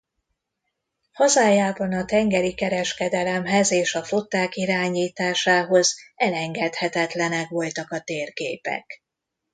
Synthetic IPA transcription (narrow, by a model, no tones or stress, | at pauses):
hɒzaːjaːbɒnɒt̪ɛŋɡɛɾikɛɾɛʃkɛd̪ɛlɛmɦɛzeːʃɒfot̪ːaːkiɾaːɲiːt̪aːʃaːɦo̞zɛlɛŋɡɛt̪hɛt̪ɛt̪lɛnɛkʋo̞lt̪ɒkɒt̪eːrɡeːpɛ̰k